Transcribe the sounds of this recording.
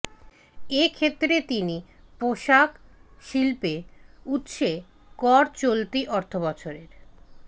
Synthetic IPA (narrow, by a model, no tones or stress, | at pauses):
ekʰet̪ːɾet̪ini | poʃakʃilpeut̪ʃe | kɔɾt͡ɕolt̪iʔɔɾt̪ʰoβɔt͡ɕʰoɾeɾ